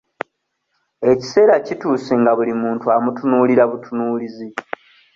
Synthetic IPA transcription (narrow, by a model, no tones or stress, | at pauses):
e̞ci̥se̞ːɾacituːseŋɡaβulimuːntuamutunuːliɾaβutunuːlizi